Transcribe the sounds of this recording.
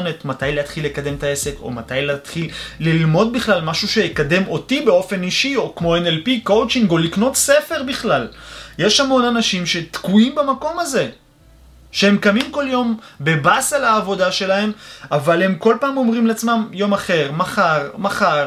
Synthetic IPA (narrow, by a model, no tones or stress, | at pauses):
netmatajleat̪χilːe̞kad̪e̞mtae̞se̞ko̞̰matajlet̪χilːilmo̞d̚biχlalmaʃuʃejekade̞mo̞tibe̞o̞fe̞niʃio̞kmo̞enelpiko̞wt͡ʃiŋɡolikno̞t̪se̞feʁbiχlalje̞ʃhamo̞nanaʃimʃe̞t̪kuimbemako̞maze̞ | ʃehemkamimko̞ljo̞mbe̞basalaːvo̞daʃe̞lahe̞mavale̞mko̞lpaːmo̞mʁimleat͡smamjo̞maχe̞ʁmaχaʁmaχaʁ